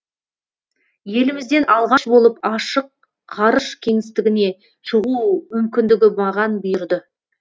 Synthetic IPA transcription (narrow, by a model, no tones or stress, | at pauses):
je̞lɪmɪzd̪e̞nɑlˠʁɑʃbo̞lˠəpɑʃəq̚ | qʰɑɾəʃkʲʰe̞ŋɪst̪ɪɡʲɪne̞ | ʃəʁumʏmkʲɪnd̪ɪɡʲɪmɑʁɑnbʊjɪɾd̪ɪ